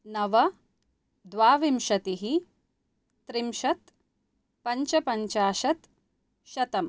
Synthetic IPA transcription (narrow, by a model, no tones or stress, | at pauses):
nɐʋɐ | d̪ʋaːʋimʃɐt̪iɦi | t̪ɾimʃɐt̪ | pɐɲt͡ʃɐpɐɲt͡ʃaːʃɐt̪ | ʃɐt̪ɐm